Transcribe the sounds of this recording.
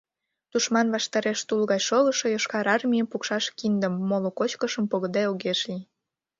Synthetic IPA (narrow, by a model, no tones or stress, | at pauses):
t̪uʃmɑnβɑʃt̪ɑɾeʃt̪ulɣɑjʃoləʃojoʃkɑɾɑrmʲijəmpukʃɑʃkind̪əmːolokot͡ɕkəʃəmpoɣəd̪ɑoɣeʃli